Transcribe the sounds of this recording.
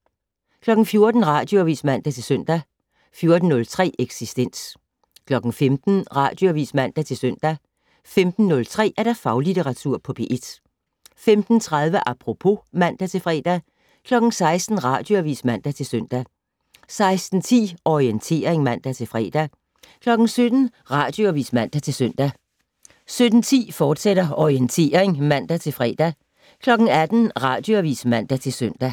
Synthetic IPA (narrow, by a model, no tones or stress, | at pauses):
kʰlɒ̽ɡ̥n̩fjo̝ɐd̥n̩ʁɑ̰̈d̥joʋḭsmæn̰d̥æt͡sʰe̝lsœn̰d̥æ | fjo̝ɐd̥n̩ːɔ̽lt͡sʰʁɛ̰ːʔeɡ̥sisd̥en̰s | kʰlɒ̽ɡ̥n̩femd̥n̩ʁɑ̰̈ːd̥joʋḭːsmæn̰d̥æt͡sʰe̝lsøn̰d̥æ | femd̥n̩ːɔ̽lt͡sʰʁɛ̰ːæɐd̥æ̈fɑ̈ʊlit͡sʰe̝ʁɑ̈t͡sʰuɐ̰pʰɒ̽b̥e̝ʔe̝d̥ | femd̥n̩t͡sʰʁað̞ˠʋəʔɑpʰʁo̝pʰo̝mæn̰d̥æt͡sʰe̝lfʁɛ̰ːd̥æ | kʰlɒ̽ɡ̥n̩sɑ̈ɪsd̥n̩ʁɑ̈ːd̥jo̝æʋḭːsmæn̰d̥æt͡sʰe̝lsøn̰d̥æ | sɑ̈ɪsd̥n̩t͡sʰḭːɒient͡sʰe̝̰ːɐʁeŋmæn̰d̥æt͡sʰe̝lfʁɛ̰ːd̥æ | kʰlɒ̽ɡ̥n̩sød̥n̩ | ʁɑ̈ːd̥joæʋḭːsmæn̰d̥æt͡sʰe̝lsøn̰d̥æ | sød̥n̩t͡sʰḭːfɒːd̥seɾ̥ɐɒient͡sʰe̝̰ːɐʁeŋmæn̰d̥æt͡sʰe̝lfʁɛ̰ːd̥æ | kʰlɒ̽ɡ̥ŋ̩æd̥n̩ʁɑ̈ːd̥joæʋḭːsmæn̰d̥æt͡sʰe̝lsøn̰d̥æ